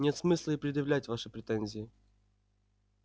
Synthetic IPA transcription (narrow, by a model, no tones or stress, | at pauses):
nʲet̪smɨslˠəɪpɾʲɪd̪jɪvlʲætʲvaʂɨpɾʲɪt̪ɛnʲzʲɪɪ